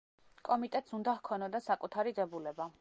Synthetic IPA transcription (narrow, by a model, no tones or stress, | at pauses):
kʼɔmit̪ʼɛt̪ʼsund̪ahkʰɔnɔd̪asakʼut̪ʰaɾidɛbulɛba